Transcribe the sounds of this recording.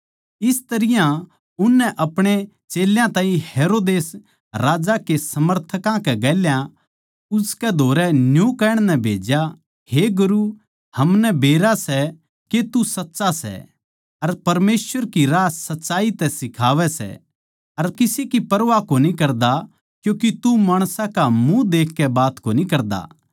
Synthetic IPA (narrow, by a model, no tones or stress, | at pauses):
ɪst̪ɐɾɪjã | ʊnːɛʔɐpɽ̃e | t͡ʃeːljãt̪ãːĩheːɾoːd̪eːs | ɾaːd͡ʒakesɐməɾt̪ʰəkãkɛɡɛːljã | ʊskɛd̪ʱoːɾɛnjukɛːɽ̃nɛbʱeːd͡ʒja | heɡʊɾu | hɐmnɛbʱeːɾasɛ | ket̪usɐtːʃasɛ̰ | ɐɾpɐɾmeːsʋəɾkiɾaːsɐtːʃaːit̪ɛsɪkʰaːʋɛsɛ̰ | ɐɾkɪsikipɐɾʋakonikɐɾd̪a | kjũːkit̪umaːɽ̃sãkamũd̪eːkʰːɛbaːt̪konikɐɾd̪a̰ː